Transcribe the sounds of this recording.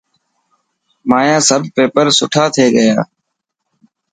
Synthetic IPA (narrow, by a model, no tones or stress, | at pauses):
maːjãːsəbʱpeːpəɾsʊʈʰaːt̪ʰeːɠəjaː